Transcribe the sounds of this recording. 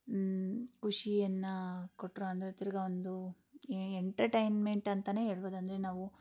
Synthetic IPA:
kuʂijɐnːɐkoʈːɾoɐnd̪ɐɾet̪iɾɐɡɐond̪u | eɳʈɐɾʈɐjnme̞ɳʈɐnt̪ɐne̞ːɦe̞ːɭboːd̪ɐnd̪ɐɾenaːʋu

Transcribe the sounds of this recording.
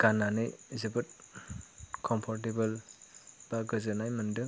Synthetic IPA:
ɡ̥anːanɯjzɯbɯt̚ | kʰɔmpʰɔɾt̬ebɐl | b̥aɡɯzɯnajmɐndɯ

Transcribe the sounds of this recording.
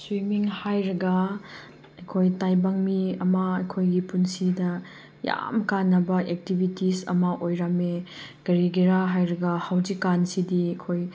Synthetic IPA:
swimiŋhajɾɐɡɐ | ɐjkʰojtajbɐŋmiɐmɐɐjkʰojɡipunsidɐ | ja̰mkanːɐbɐʔek̚tibʱitisɐ̰mɐʔojɾameɡ̥ɐɾiɡiɾaɦajɾɐɡɐhawd͡ʒikːansidiɐkʰoj

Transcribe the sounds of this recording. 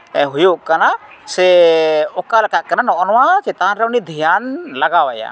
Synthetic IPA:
ɛɦujoʔkanasɛɔkalakat̪̚kananɔʔɔnɔwakɛt̪anɾɛunid̪ʱijanlaɡawaja̰

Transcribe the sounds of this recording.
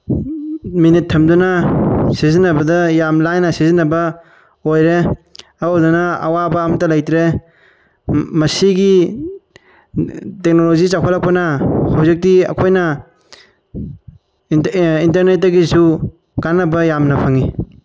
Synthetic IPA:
minitʰːɐmdunɐsizinːɐbɐdɐjamlajnɐsizinːɐbɐ | ojɾeɐwdunɐɐ̰wabɐːmɐtɐlajtɾe | mɐsiɡi | tek̚nolozit͡ʃakʰɔlak̚pɐnɐhawzek̚tiɐ̰kʰojnɐ | intɐɾnet̚ːdɐɡisu | kanːɐbɐjamnɐpʰaŋi

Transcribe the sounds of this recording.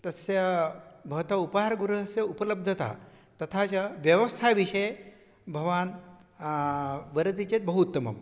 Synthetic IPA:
t̪əsjəbʱəʋt̪aupɦaɾɡuɾuəsjəupələb̚d̪ʱət̪a̰ | t̪ɐt̪ʰat͡ɕaʋjəʋəst̪ʰaʋiʂəj | bʱəʋan | ʋəɾət̪it͡ɕet̪̚bəɦut̪ːəmə̰m

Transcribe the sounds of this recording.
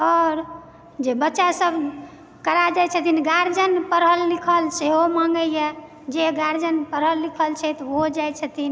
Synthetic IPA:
ɔɾ | d͡ʒebətːʃasəbʱ | kəɾad͡ʒajt͡ʃʰət̪inɡaɾd͡ʒənpəɾɦəlːikʰəlseɦomãŋɡəje | d͡ʒeɡaɾd͡ʒənpəɾɦəlːikʰəlt͡ʃʰɛt̪od͡ʒajt͡ʃʰət̪in

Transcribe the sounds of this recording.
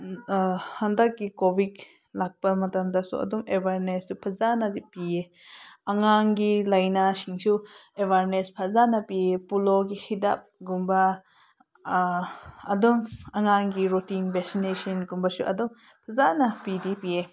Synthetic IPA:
handak̚ɡikobit | lak̚pɐmɐtamdasṵɐ̰dumebʱaɾnessupʰɐzanɐdipie | ɐŋaŋɡilajnasiŋsuebʱaɾnespʰɐzanɐpiepuloɡihʰida̰p̚ɡumbɐ | ɐdumɐŋaŋɡiɾotinbɛksinesɔnɡumbɐsuʔɐ̰dum | pʰɐzanɐpidipie

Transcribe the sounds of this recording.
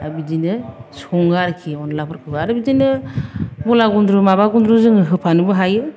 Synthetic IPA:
abidinɯsɔŋɡaɾkʰiɔnlapʰɯɾkʰɯbaaɾɯbidinɯ | bɔlaɡundɾumabaɡundɾuzɯŋɯɦɯpʰanɯbɯɦajɯ

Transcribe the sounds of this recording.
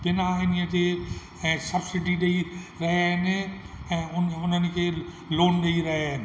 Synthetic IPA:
bɪnaɪniə̃t̪ʰe | sɐbsɪɖiɗeiɾɐɦaɦɪnɪ | ɛ̃ːʊnʊnənɪ̆kʰeː | loːnɗeiɾɐɦaɦɪnɪ

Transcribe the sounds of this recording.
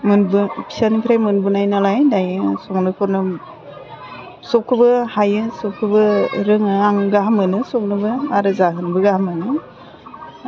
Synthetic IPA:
mɯnbɯpʰi̥sanipʰɾajmɯnbɯnajnalajdajɯsɔk̚nɯkʰɔɾnɯ | sɔkʰɯbɯhajɯsɔkʰːɯbɯɾɯŋɯaŋɡaɦamɯnɯsɔk̚nɯbɯaɾɯzaɦɯnbɯɡahamɯnɯ

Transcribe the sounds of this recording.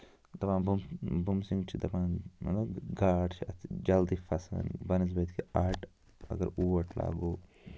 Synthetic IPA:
t̪ɐpãːnbumbumsiŋɡt͡ʃʰit̪ɐpãːnmɐ̰t̪lɐɡaːʈt͡ʃʰiɐt̪d͡ʒɐld̪iːfʰɐsa̰nbɐnis̬bɐt̪kʰiaːɾʈ | ɐ̰ɡɐɾuːʋɐʈʰla̰ːɡoː

